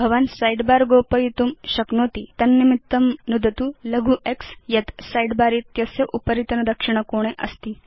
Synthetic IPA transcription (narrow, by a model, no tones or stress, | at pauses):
bʱɐʋansajɖbaɾɡopəjit̪umɕɐknoːt̪it̪ɐnːimit̪ːɐmnud̪ʱɐt̪ulɐɡʱuːʔeksjɐt̪sajɖbaɾit̪jɐsjɐʔupəɾit̪ɐnɐd̪ɐkʂiɳ̃əkoɽ̃eʔɐst̪iː